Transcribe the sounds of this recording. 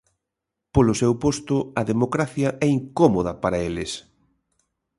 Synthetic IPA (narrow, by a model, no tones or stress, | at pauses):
polʊsɛwpost̪ʊɐðemokɾaθjɐʔɛiŋkomoðɐpaɾɐelɪs